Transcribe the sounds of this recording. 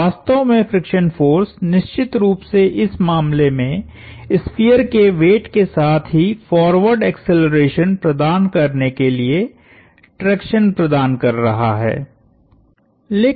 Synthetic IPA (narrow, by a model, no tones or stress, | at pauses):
aːst̪õmẽfɾɪkʃənfoːɾsnɪʃt͡ʃɪt̪ɾuːpseʔɪsmaːmlemẽ | ɪspijəɾkeʋeːʈkesaːt̪ʰɦifɔːɾʋəɾɖɛːkseləɾeːʃənpɾɐd̪aːnkɐɾnekelie | ʈɾɛːkʃənpɾɐd̪aːnkɐɾːɐɦa̰ɦɛ̰ː | leː